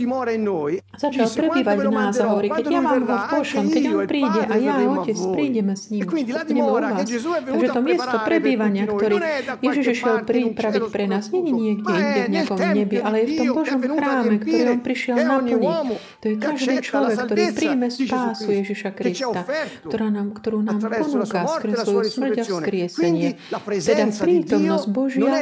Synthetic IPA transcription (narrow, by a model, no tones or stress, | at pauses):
zat͡ʃalpɾɛbiːʋaɟnaːzaɦɔʋɔɾiːkɛɟjaʋaːmɦɔfpɔʃɔmkɛɟɔnɔpɾiːɟɛʔajaɔcɛt͡spɾiːɟɛmɛsɲiːmɔɲɛmɔuʋʋaːst̪aɡʒɛt̪ɔmɪɛst̪ɔpɾɛbiːʋaɲɪakt̪ɔɾiːjɛʒiʒiʃɪɛlpɾiːpɾaʋicpɾɛnaːzɲɛɲiɲɪɛɡɟɛinɟɛvɲɪakɔmɲɛbiʔalɛɛjft̪ɔmbɔʒɔmxɾaːmɛkt̪ɔɾiːɔnpɾiʃɪɛlnapl̩ɲi | t̪ɔjɛkaʒd̪iːt͡ʃlɔʋɛkːt̪ɔɾiːpɾiːmɛspaːsujɛʒiʃakɾist̪at̪ɔɾaːnakt̪ɔɾuːnaaːmpɔnuːkaskr̩zsʋɔjusmr̩ɟafskkɾɪɛsɛɲɪɛ | t̪ɛd̪apɾiːt̪ɔmnɔzɟbɔʒɪa